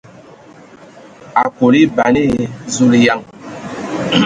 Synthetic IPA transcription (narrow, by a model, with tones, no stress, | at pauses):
a˨ko˨li˦ba˨ni˦˨zu˦li˨ja˦˨ŋ